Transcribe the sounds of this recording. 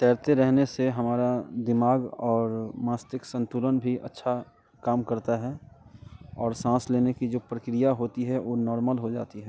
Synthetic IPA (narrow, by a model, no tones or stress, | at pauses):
t̪ɛːɾt̪eɾɛɦneseɦɐmaːɾad̪ɪmaːɡɔːɾmaːst̪ɪksə̃nt̪uːlənbʱiʔɐ̰tːʃʰa | kaːmkɐɾt̪aɦɛ | ɔːɾsãːsleːnekid͡ʒoːpɾəkɾijaɦoːt̪iɦɛoːnɔːɾməlɦod͡ʒa̰ːt̪iɦɛː